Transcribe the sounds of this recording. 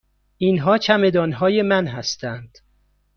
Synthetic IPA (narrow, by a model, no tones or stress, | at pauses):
inɦɒːt͡ʃʰæme̞d̪ɒːnɦɒːje̞mænɦæst̪ʰænd̪̥